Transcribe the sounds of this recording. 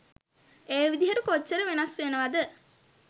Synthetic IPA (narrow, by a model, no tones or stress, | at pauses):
eːʋid̪iɦɐɾukot͡ʃːəɾəʋenɐsʋenəʋad̪ə